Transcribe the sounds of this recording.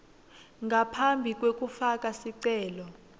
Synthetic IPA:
ŋɡʱapʰambʱik̬ʼwek̬ʼufak̬ʼasiǀɛːlɔ

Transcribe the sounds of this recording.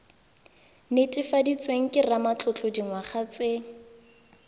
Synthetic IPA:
netʼɪfadit͡sweŋ̩kʼɪramat͡ɬʰʊt͡ɬodiŋwaχat͡sʼeːŋ̩

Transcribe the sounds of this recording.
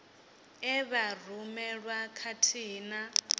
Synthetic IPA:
ɛβarumɛɺakʰatʰiːna

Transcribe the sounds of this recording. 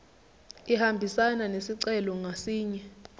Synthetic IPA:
ihambʱisananesiǀɛlɔŋasiːɲɛ

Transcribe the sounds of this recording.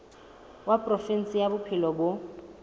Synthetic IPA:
wapʼrɔfɛn̩sʼɪjabʊpʰɪlɔbʊ

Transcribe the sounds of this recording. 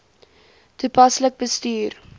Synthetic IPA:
tupɐslək̚bəstyːr

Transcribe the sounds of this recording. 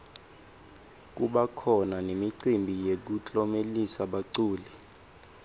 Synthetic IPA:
k̬uɓakʰɔnanemiǀimbʱijek̬ut͡ɬʼɔmelisaɓaǀuːli

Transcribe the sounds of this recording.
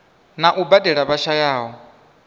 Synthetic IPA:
naʔubadɛɺaβaʃajaːɦɔ

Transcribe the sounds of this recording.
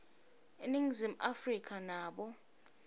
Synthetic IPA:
eniŋzim̩ʔafrikʰʼanaːɓɔ

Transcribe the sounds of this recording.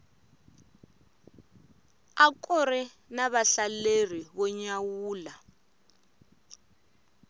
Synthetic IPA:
akɔrɛ | naβaɬaler̤iβɔɲawuːla

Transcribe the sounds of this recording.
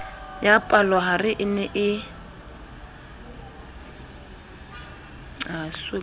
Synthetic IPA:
japʼalɔɦarɪʔɪnɛʔɪ | aswe

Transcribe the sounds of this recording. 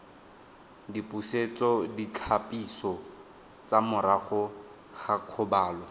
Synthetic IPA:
dipʼuset͡sɔdit͡ɬʰapʼisɔ | t͡sʼamʊɾaχʊ | χaq͡χʰʊbaːlɔ

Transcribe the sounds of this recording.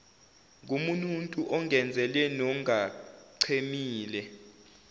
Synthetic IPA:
umununtʼuʔɔŋɛnd͡zʱɛlɛnɔŋaǀʰemiːlɛ

